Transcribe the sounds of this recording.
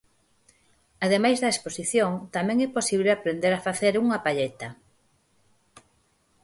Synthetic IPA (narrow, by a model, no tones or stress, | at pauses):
aðemajzðɐesposiθjoŋt̪amɛ̃ŋɛposiβleapɾend̪eɾafaθeɾuŋɐpaʎet̪ɐ